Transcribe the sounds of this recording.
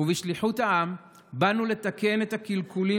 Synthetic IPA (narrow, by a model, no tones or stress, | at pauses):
uviʃliħutaʔam | banule̞t̪ake̞net̪akilkuli